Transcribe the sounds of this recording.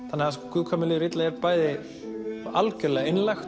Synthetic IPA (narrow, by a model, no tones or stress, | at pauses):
θanːɪhaðaskɔkʰʏðkʰamɪlɪːɾɪt̪laɛɾpaːjðɪ | alcœlɛɣaenlajxt̪